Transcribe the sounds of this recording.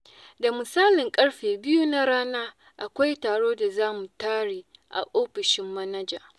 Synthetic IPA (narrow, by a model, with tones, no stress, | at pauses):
da˨mʊ˨saː˦lɪ˨ŋkʼɐ˦ɽɸeː˨bɪ˦ju˦na˦ɾaː˦naː˦ | ʔa˨kʷa˦jtaː˨ɽoː˦da˨zaː˦mu˨taː˦ɽiː˨ʔa̰˨ʔoː˦ɸɪ˨ʃɪ˦mːɐ˦nɐ˦d͡ʒaː˨